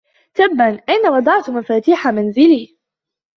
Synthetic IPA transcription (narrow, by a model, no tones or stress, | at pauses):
t̪abːanʔajnawɑd̪ˤɑʕt̪mafaːt̪iːħamanzɪliː